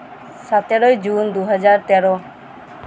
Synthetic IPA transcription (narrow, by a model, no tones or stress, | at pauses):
sat̪eɾoid͡ʒuːnd̪oːɦəd͡ʒaːɾt̪ɛːɾoː